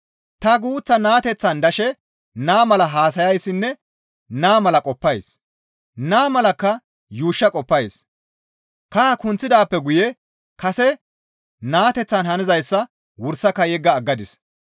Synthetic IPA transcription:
t̪ɐɡuːt͡sːɐnaːt̪ɛt͡sːɐnd̪ɐʃɛ | naːmɐlɐɦaːs̬ɐjɐjsɪnːɛ | naːmɐlɐkʼɔpːɐjs | naːmɐlɐkːɐ | juːʃːɐkʼɔpːɐjs | kɐkʊnt͡sːɪd̪aːpːɛɡʊjɛ | kɐsɛ | naːt̪ɛt͡sːɐnhɐnɪzɐjsːɐ | wʊɾsɐkːɐjɛɡːɐːɡːɐd̪ɪs

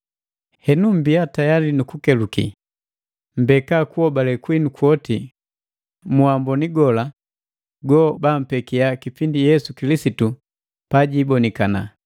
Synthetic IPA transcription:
hɛnum̩biatajalinukukɛlukḭ | m̩bɛkakuɔbalɛkwinukwɔti | muambɔniɡɔla | ɡɔbam̩pɛkiakipindijɛsukilisitu | paɟibɔnikana̰

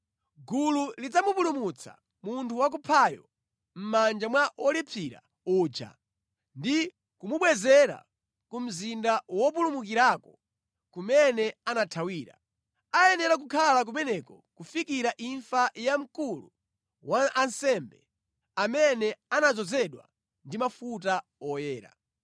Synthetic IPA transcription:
ɡululid͡zamupulumut͡sʰa̰ | muntʰuwak̬upʰajɔ̰ | m̩mand͡ʒamwaʔɔlipʰiɾa̰ | uːd͡ʒa̰ | ndi | kumuɓwɛzɛɾa̰ | kum̩zindawɔp̬ulumukiɾaːkɔ | kumɛnɛanatʰawiːɾa̰ | ajɛnɛɾak̬ukʰalak̬umɛnɛkɔ | kufikiɾaʔiɱfajam̩kulṵ | waʔansɛmbɛ | amɛnɛanad͡zɔzɛɗwa̰ | ndimafut̬aɔjɛːɾa̰

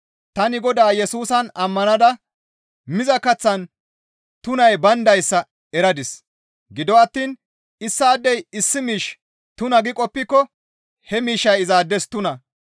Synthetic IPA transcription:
t̪ɐnɪɡɔd̪aːjɛsuːsɐnɐmːɐnɐd̪ɐ | mɪzɐkɐt͡sːɐn | t̪ʊnɐjbɐnd̪ɐjsːɐ | ɛɾɐd̪ɪs | ɡɪd̪ɔɐt̪ːiːn | ɪsːaːd̪ːɛjɪsːɪmiːʃ | t̪ʊnɐɡɪkʼɔpːɪkːɔ | hɛmiːʃːɐjɪzaːd̪ːɛst̪ʊnɐ

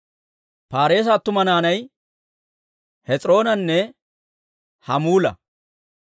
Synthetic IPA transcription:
paːɾe̞ːs̬at̪ːʊmɐnaːnɐj | hɛt͡sʼɾo̞ːnɐnːɛ | hɐmuːlɐ̰

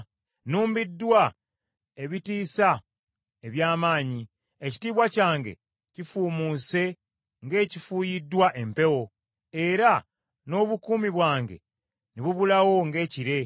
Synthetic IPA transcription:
nuːmbidːwa | e̞βitiːsa | e̞βjaːmaːɲi | eci̥tiːβwacaːŋɡe̞̰ | cifuːmuse̞ | ŋɡe̞ːcifuːjidːwaʔe̞mpe̞wo̞ | e̞ɾa | no̞ːβukuːmiβwaːŋɡe̞̰ | niβuβulawo̞ŋɡe̞ːciɾe̞

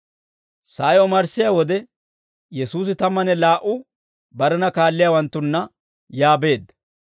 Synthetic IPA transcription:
saːjɔmɐɾsːɪjawɔd̪ɛ | jɛsuːs̬ɪt̪ɐmːɐnɛlaːʔʊ | bɐɾɛnɐkaːlːɪjaːwɐnt̪ːʊnːɐ | jaːbe̞ːd̪ɐ

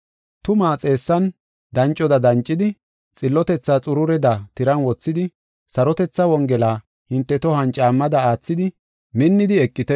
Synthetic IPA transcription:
t̪ʊmaːt͡sʼe̞ːsːɐn | d̪ɐnt͡ʃʼːɔd̪ɐd̪ɐnt͡ʃʼːɪd̪ɪ | t͡sʼɪlːɔt̪ɛt͡sːat͡sʼʊɾʊɾɛd̪ɐt̪ɪɾɐnwɔt͡sːɪd̪ɪ | sɐɾɔt̪ɛt͡sːɐwɔŋɡɛlaː | hɪnt̪ːɛt̪ɔhɐnt͡ʃʼːaːmːɐd̪ɐaːt͡sːɪd̪ɪ | mɪnːɪd̪ɪɛkʼːɪt̪ɛ

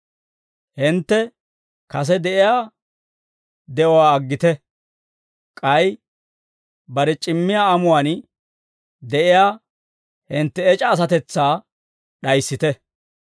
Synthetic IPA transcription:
hɪnt̪ːɛ | kɐs̬ɛd̪ɛʔɪjaː | d̪ɛʔɔwaːɡːɪt̪ɛ | kʼɐj | bɐɾɛt͡ʃʼɪmːɪjaːɐmʊwaːn | d̪ɛʔɪjaː | hɪnt̪ːɛːt͡ʃʼɐːs̬ɐt̪ɛt͡sːaː | ɗɐjsːɪt̪ɛ

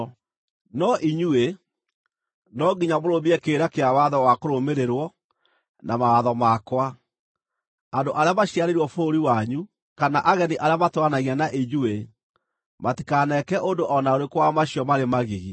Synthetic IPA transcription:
nɔʔiɲue | nɔɡiɲamoɾobiɛkeːɾakeawaðɔwakoɾomeɾeɾwɔ | namawaðɔmakwa | andoʔaɾeamaɕiaɾeɾwɔfoɾiwaɲu | kanaʔaɣɛniʔaɾeamatwanaɣianaʔiɲue | matikanɛkɛʔondoʔɔnaoɾekwamaɕiɔmaɾemaɣiɣi

